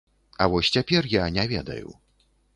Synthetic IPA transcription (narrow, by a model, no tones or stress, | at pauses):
ɐvɔsʲt͡sʲapʲɛrjanʲɛvʲɛd̪ɐ̰jṵ